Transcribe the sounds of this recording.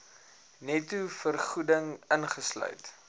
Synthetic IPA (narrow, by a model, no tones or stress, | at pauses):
nɛtufərχudəŋənχəslœ̰ɥt